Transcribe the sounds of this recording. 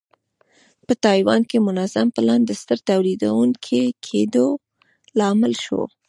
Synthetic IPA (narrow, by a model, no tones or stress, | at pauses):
pət̪ɑjwɑnkemʊnazampəland̪d̪əst̪əɾt̪awlid̪awuŋkʰekʰed̪o | lɑmɪlʃo̰